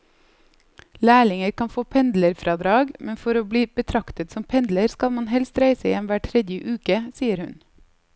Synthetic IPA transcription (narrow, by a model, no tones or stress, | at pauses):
læːɭɪŋəɾkʰɑnfoːpʰɛnd̪ləɾfɾʔɑːd̪ɾɑːɡmʔɛnfɔɾoːb̪iːb̥ət̪ʰɾɑkt̪ət̪sɔmpʰɛnd̪ləɾskɑlmɑnhɛlst̪ɾæɪsəjɛnʋæːʈʰɾɛd̪jəʔʉːkəsiːəɾhʉ̰n